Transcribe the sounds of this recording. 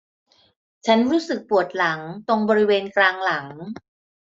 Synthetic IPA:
t͡ɕʰa˦˥nɾuː˦˥sɯ˨˩k̚pu˨˩ət̪̚la˩˦ŋt̪o˧ŋbɔː˧ɾi˦˥weː˧nklaː˧ŋla˩˦ŋ

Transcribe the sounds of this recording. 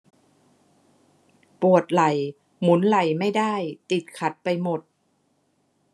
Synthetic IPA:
pu˨˩ət̪̚la˨˩j | mu˩˦nla˨˩jma˥˩jda˥˩jt̪i˨˩t̪̚kʰa˨˦˥t̪̚pa˧jmo˨˩t̪̚

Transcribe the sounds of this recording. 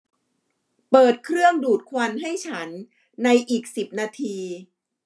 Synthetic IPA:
pɤː˨˩t̪̚kʰɾɯ˥˩əŋduː˨˩t̪̚kʰwa˧nɦa˥˩jt͡ɕʰa˦˥nː | a˧jʔiː˨˩k̚si˨˩p̚naː˧t̪ʰiː˧

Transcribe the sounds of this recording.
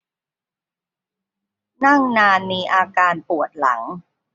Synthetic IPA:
na˥˩ŋnaː˧nmiː˧ʔaː˧kaː˧npu˨˩ət̪̚la̰˩˦ŋ

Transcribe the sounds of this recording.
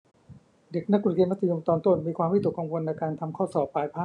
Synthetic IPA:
de˨˩k̚na˦˥k̚ːu˨˩keː˧nma˦˥t̪ʰːa˧jo˧mt̪ɔː˧nt̪o˥˩nmiː˧kʰwaː˧mwi˥˩d̪u˨˩kːa˧ŋwo˧nːa˧jkaː˧nt̪ʰa˧mkʰɔː˥˩sɔː˨˩p̚ːaː˧jpʰaː˥˩

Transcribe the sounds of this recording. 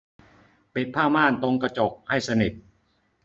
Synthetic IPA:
pi˨˩t̪̚pʰaː˥˩maː˥˩nt̪o˧ŋka˧t͡ɕo˨˩k̚ha˥˩jsa˧ni˨˩t̪̚

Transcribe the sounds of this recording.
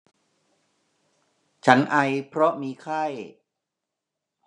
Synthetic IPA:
t͡ɕʰa˦˥nʔa˧jpʰɾɔ˦˥miː˧kʰa˥˩j

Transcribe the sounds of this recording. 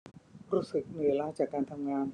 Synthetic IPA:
ɾuː˦˥sɯ˨˩k̚nɯ˧˩e˧laː˧˥t͡ɕaː˨˩kːaː˧nt̪ʰa˧mŋaː˧n

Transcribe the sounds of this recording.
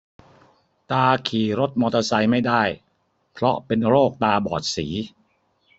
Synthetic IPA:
t̪aː˧kʰiː˨˩ɾo˦˥t̪̚mɔː˧t̪a˧sa˧jma˥˩jdaː˥˩j | pʰɾɔ˦˥pe˧nɾoː˥˩k̚t̪aː˧bɔ̰ː˨˩t̪̚siː˩˦

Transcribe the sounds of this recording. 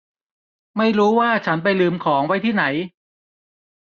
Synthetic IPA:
ma˥˩jɾuː˦˥waː˥˩t͡ɕʰa˦˥np̬a˧jlɯː˧mkʰɔː˩˦ŋwa˦˥jt̪ʰiː˥˩na˩˦j

